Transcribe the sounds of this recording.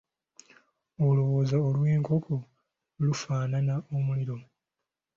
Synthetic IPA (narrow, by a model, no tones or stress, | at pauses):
olo̞woːzaolweːŋkʰo̞ko | lufaːnanaomuliɾo̞